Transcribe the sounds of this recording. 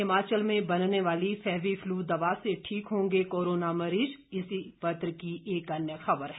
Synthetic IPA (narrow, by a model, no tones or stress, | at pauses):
ɪmaːt͡ʃəlmẽbɐnneʋaːlifɛːʋifʰluːd̪ɐʋaseʈʰiːkɦõːŋɡekoːɾoːnamɐɾiːd͡ʒɪsipɐt̪ɾəkiʔeːkɐnjəxɐbəɾɦɛ